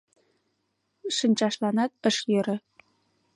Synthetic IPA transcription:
ʂɘ̆nʲt͡ɕɑʂlˠɑnɑt̪̚ə̆ʂjɤ̆ɾɘ̆

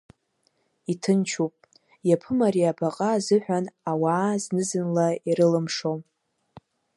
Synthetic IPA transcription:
itʰɨnt͡ʃʰupʼ | japʰɨmaɾiabaqʼazɨħʷᶣanawaːznɨzɨnlaiɾɨlɨmʂom

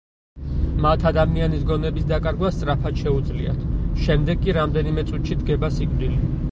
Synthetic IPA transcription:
mat̪ʰad̪amianisɡɔnɛbisd̪akʼaɾɡwast̪sʼɾapʰad̪ʃɛud̪zlḭa̰t̪ʰʃɛmd̪ɛɡːʼiɾamd̪ɛnimɛt̪sʼut̪ʰʃid̪ɡɛbasikvd̪ili

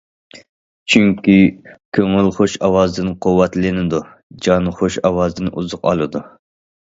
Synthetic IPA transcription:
t͡ʃʰyŋkʲikʲʰøŋɪlχoʃɑwɑzd̪ɨnqʰowːɛt̪lɪnɪd̪u | d͡ʒɑnχoʃɑwɑzd̪ɨnʔuzʊqɑ̰lˠɨd̪u

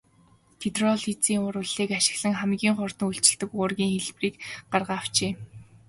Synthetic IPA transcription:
t̪ʰit̪rɔɮit͡siːŋʊɾʊɮiːkaʃɪ̥̆ɣɮə̆ŋχæmɡʲiːŋχʊrt̪ə̆ŋuɬt͡ɕɪ̆ɮt̪ɘ̆kʊːrɣʲiːŋxeɮpriːkɢarʁaːw̥t͡ɕeː

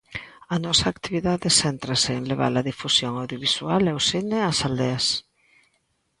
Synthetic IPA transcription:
ɐnɔsɐːkt̪iβiðaðɪsɛnt̪ɾɐsɪːŋleβ̞a̰lɐðifusjoŋawðjoβ̞isualɛosineɐsald̪eɐs

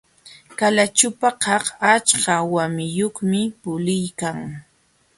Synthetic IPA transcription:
kalat͡ʃʊpaqɑχat͡ʃkawamɪjoχmɪpʊlɪjkaŋ

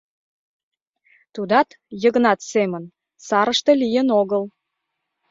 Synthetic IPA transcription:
t̪ud̪ɑt̪ | jəɣnɑt̪semən | sɑɾəʃt̪ɤ̆lijənoɣəl

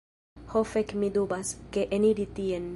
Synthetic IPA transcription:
hofekmid̪ubaskeʔeniɾit̪ien

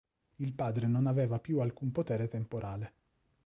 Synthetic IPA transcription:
ilpaːd̪ɾenonaveːvapjualkumpot̪ɛːɾet̪empoɾʔaːle

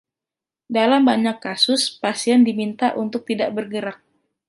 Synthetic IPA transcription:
dalambaɲakːasʊspasiɛndimint̪a̰ʔunt̪ʊk̚t̪idaʔbərɡəɾak̚

